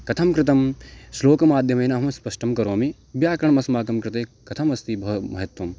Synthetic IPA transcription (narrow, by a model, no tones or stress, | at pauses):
kɐt̪ʰɐmkɾɪt̪̬ɐmsloːkɐmaːd̪ʱjɐmɐjnɐɦɐmɐspɐʃʈɐmkɐɾoːmi | bjaːkɾɐɳɐmɐsmaːkɐmkɾɪt̪eːkɐt̪ʰɐmɐst̪ibʱɐmɐɦɐt̪ʋɐm